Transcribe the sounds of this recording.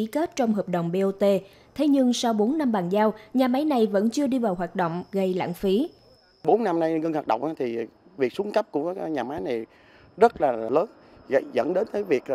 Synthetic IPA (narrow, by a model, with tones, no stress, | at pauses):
i˨˦ke˦˥t̚t͡ɕɔ˧wŋ͡mɦəː˨˩p̚ɗo̰˧˨wŋ͡mɓe˧ʔo˧t̪e˧ | t̪ʰe˨˦ɲɨ˧ŋsa˧wɓo˨˦nːa˧mɓaː˨˩nzaː˧wɲaː˨˩ma˨˦jna˨˩jvə̰˧˥nt͡ɕɨ˧əɗi˧vaː˨˩wɦwaː˨˩t̚ɗo̰˧˨wŋ͡mɣə˧jla̰ː˧˨ŋnfi˨˦ | ɓo˨˦nːa˧mna˧jŋə˧nhwaː˨˩t̚ɗə̰˧˨wŋ͡mʔaː˨˧˦t̪ʰi˨˩ | vi˨˩ək̚su˨˦ə˦nkə˦˥p̚ku˧˩ə˨˦˧ɲaː˨˩ma˨˦jna˨˩j | zə˦˥t̚laː˨˩ləː˨˦n | ɣa̰˧˩jzə̰˧˥nɗe˨˦nt̪əː˨˦jvi˨˩ək̚